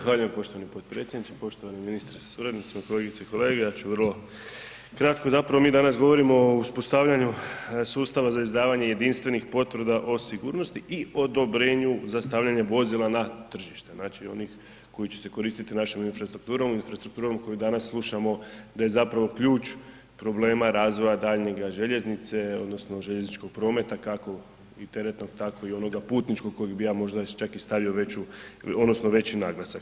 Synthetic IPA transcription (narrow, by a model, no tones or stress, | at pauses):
axʋaːʎuje̞mpo̞ʃt̪oanipod̪pɾe̞t̪sjed̪nit͡ʃ̪epo̞ʃt̪oaniminist̪ɾesḁsuɾad̪nit̪simako̞le̞ɡit̪seiko̞le̞ːɡejaːt͡ɕuʋərlˠo̞ | kɾat̪̚ko̞zapɾaʋo̞miːd̪anasɡo̞ʋo̞ɾimouspo̞st̪aʋʎaɲusuːst̪aʋazaizd̪aːʋaɲe̞je̞d̪inst̪ʋe̞nixpo̞t̪ʋr̩d̪aʔo̞siɡuːɾno̞st̪iʔio̞d̪o̞bɾe̞ːɲuzast̪aːʋʎaɲe̞ʋo̞zilˠanat̪r̩ʒiʃt̪e̞znaːt͡ʃio̞̰nix | ko̞jit͡ɕe̞̥se̞ko̞ɾiːst̪it̪inaʃominfɾast̪ɾuk̚t̪uːɾomuinfɾast̪ɾukt̪uːɾomkʰo̞jod̪anaslˠuʃamo̞d̪aje̞zapɾaʋo̞kʎuːt͡ʃ | pɾo̞ble̞ːmaɾaːzʋo̞jad̪aʎɲe̞ɡaʒe̞ʎe̞znit̪se̞o̞d̪no̞sno̞ʒe̞ʎe̞znit͡ʃko̞ɡ̚pɾo̞ːme̞t̪akako̞ | it̪e̞ɾet̪no̞ɡ̚t̪ako̞io̞noɡapuːt̪nit͡ʃkoɡ̚kːo̞jeɡbijaːmo̞ʒd̪at͡ʃakist̪aʋioʋet͡ɕuod̪no̞snoʋe̞t͡ɕinaɡlˠasak